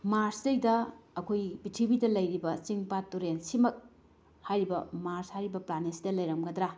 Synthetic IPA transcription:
maɾsdejdɐːkʰojbitʰibidɐlɐjɾibɐt͡ʃiŋpatːuɾensimɐk̚ | hajɾibɐmaɾshajɾibɐplanesidɐlɐjɾɐmɡɐdɾa

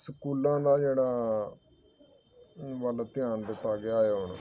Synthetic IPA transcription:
səkuːlãːd̪aːd͡ʒeːɽaː | ʋəlt̪ɪjãːnd̪ɪt̪ːaːɡeaːjʊɳ

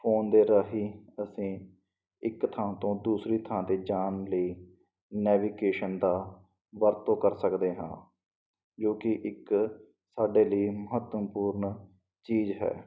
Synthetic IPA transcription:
pʰoːnd̪eːɾaːɦiːəsĩː | ɪkt̪ʰãːt̪õːd̪uːsɾiːt̪ʰãːd̪eːd͡ʒaːnləiː | nɛːʋiːkeːʃənd̪aː | ʋəɾt̪õːkəɾsəkd̪eːɦã̰ː | d͡ʒoːkɪʔɪk | saːɖeːləiːməɦət̪əmpuːɾɳ | t͡ʃiːzɦɛ̰ː

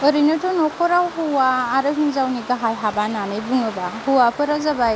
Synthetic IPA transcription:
əɾinɯtɔnɔkʰɔɾawɦuwaːɾɯɦinzawniɡaɦajɦabananɯjbɯŋɯbahuwapɯɾazabaj

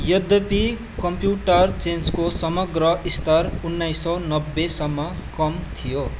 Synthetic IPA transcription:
jʌd̪ʌpi | kʌmpjuʈʌrt͡senskosʌmʌɡrʌist̪ʌrunːajsːʌnʌbːesʌmːʌkʌmt̪ʰijo

